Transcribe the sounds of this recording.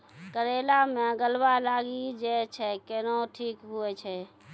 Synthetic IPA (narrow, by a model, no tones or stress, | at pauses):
kəɾelamẽɡəlbalaɡid͡ʒɛt͡ʃʰɛkenoʈʰiːkɦuɛt͡ʃʰɛ